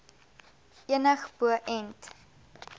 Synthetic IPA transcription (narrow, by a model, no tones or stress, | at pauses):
iənəχb̥uəʔɛnt